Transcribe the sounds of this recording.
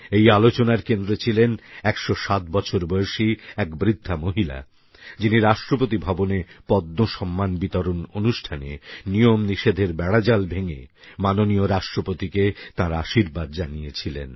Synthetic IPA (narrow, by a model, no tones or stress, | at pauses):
ejalot͡ɕonaɾkend̪ɾet͡ɕʰilenɛkʃoʃat̪bɔt͡ɕʰoɾbojeʃiɛkbɾid̪ʱːamoɦila̰ | d͡ʑiniɾaʃʈɾopot̪̬ibʱabonepɔd̪noʃɔmːanbit̪ɔɾononuʃʈʰanḛnijomniʃed̪ʱeɾbɛɽad͡ʑalbʱeŋḛ | manonioɾaʃʈɾopot̪iket̪ãɾaʃiɾbad̪̚d͡ʑanijet͡ɕʰilḛn